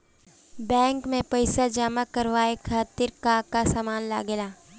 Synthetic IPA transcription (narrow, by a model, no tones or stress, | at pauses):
bɛ̃ːŋkmẽpɐɪsad͡ʒaːmakɐɾʋaːekʰaːt̪ɪɾkaːkasaːmaːnla̰ːɡelaː